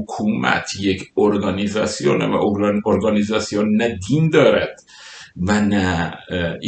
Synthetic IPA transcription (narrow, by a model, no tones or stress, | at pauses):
kʰuːmæ̰t̪ʰjecʰoɾɡɒːnizɒːsijonevæ̰ʔooɾɡɒːnizɒːsijonːæd̪iːnd̪ɒːɾæd̪̥ | vænæ